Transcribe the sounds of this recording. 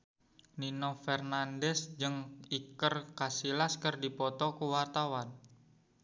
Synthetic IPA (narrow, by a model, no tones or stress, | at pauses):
ninɔfɛrnandɛsd͡ʒɨŋikərkasilaskɨrdipɔt̪ɔkuwart̪awan